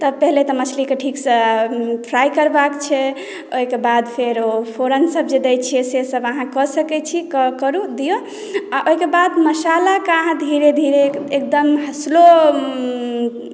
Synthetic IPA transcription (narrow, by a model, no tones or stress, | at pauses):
t̪ɔpəɦlet̪ɔmət͡ʃʰlikeʈʰiksəpʰɾajkəɾbakt͡ʃʰɛ | oikebad̪pʰeɾopʰoɾənsəbd͡ʒed̪ɛjt͡ʃʰiɛsesəbəɦãkɔsəkɛt͡ʃʰikkəɾud̪ijo | aʔoikebad̪məsalakaɦãd̪ʱiɾed̪ʱiɾeek̚d̪əmɦəslo